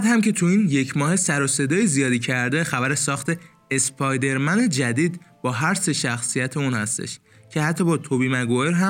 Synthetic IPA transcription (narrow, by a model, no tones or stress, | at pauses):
æd̪hæmcʰe̞t̪ʰuiːnje̞cʰmɒːhe̞sæɾo̞se̞d̪ɒːjizijɒːd̪iːcʰæɾd̪e̞xæbæɾesɒːxt̪ʰe̞ | espʰɒjd̪e̞ɾmæne̞d͡ʒæd̪iːd̪bɒːɦæɾseʃæxsijæt̪ʰeunhæst̪e̞̰ʃ | cʰe̞hæt̪ʰːɒbɒːt̪ʰobimæɡoeɾɦæ